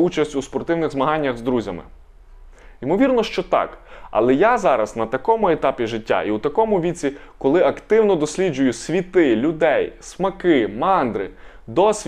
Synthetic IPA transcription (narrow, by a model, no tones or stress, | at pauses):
ut͡ʃɐsʲtʲuspɔrt̪ɪwnɪɣzmɐɦɑnʲːɐɣzd̪ɾuzʲɐmɪ̰ | imɔʋʲirnɔʃt͡ʃɔt̪ɑ̰kɐ̰lˠɛjazɑɾɐznɐt̪ɐkɔmʊɛt̪ɑpʲiʒɪtʲːa̰ʔiut̪ɐkɔmʊʋʲit͡sʲi | kɔlˠɪɐkt̪ɪwnɔd̪ɔsʲlʲid͡ʒʊjʊsʲʋʲit̪ɪlʲʊd̪ɛjsmɐkɪmɑnd̪ɾɪ | d̪ɔsʲʋʲ